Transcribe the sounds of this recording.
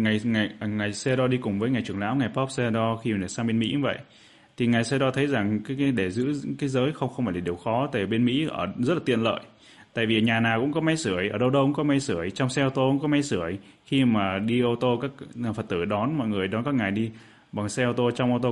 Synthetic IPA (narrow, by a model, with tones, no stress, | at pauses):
ŋa˨˩jŋa˨˩˨ŋaː˨˩jsɛ˧ɗɔ˧ɗi˧kʊ˨˩ŋ͡mvəː˨˦jŋa˨˩jt͡ɕɨ˧˩əŋla̰ː˧˥wŋa˨˩jpɔ˦˥p̚se˧ɗɔ˧xi˧m˨˩e˨˩saː˧ɓe˧nmḭ˧˥˦və̰˧˨j | t̪ʰi˨˩ŋaː˨˩jsɛ˧ɗɔ˧t̪ʰə˨˦jza˨˩ŋkaː˨˦jɗe˧˩zɨ̰˧˥kaː˨˦jzəː˨˦jxə˧wŋ͡mxə˧ŋ͡mfaː˧˩la˨˩ɗi˨˩əwxɔ˨˦t̪e˨˧˩ɓe˧nmḭ˧˥ʔəː˧˩zə˦˥t̚la˨˩t̪ḭ˧˨ənlə̰ː˧˨j | t̪a̰ː˧˨jvi˨˩ɲaː˨˩naː˨˩wkʊ̰˧˥ŋ͡mkɔ˨˦ma˨˧˦jsɨ˧˩əjʔəː˧˩ɗə˧wɗə˧wkʊ̰˧˥ŋ͡mkɔ˨˦ma˧jsɨ˧˩əjt͡ɕɔ˧wŋ͡msɛ˧ʔə˧wt̪o˧ʔṵ˧˥ŋ͡mkɔ˨˦ma˧jsɨ˧˩əj | xi˧maː˨˩ɗi˧ʔə˧t̪o˧kaː˦˥k̚fə˨˩t̚t̪ɨ˧˩ɗɔ˨˦nmɔ̰˧˨jŋɨ˨˩əjɗɔ˨˦nkaː˦˥k̚ŋaː˨˩jɗi˧ | ɓa˨˩ŋsɛ˧ʔə˧wt̪o˧t͡ɕɔ˧wŋ͡mʔo˧t̪o˧